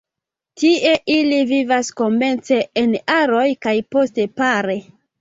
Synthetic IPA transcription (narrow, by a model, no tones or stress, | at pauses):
tiʔe̞ʔilivivasko̞me̞nt͡se̞ːnaɾo̞jkajpo̞stepaɾe̞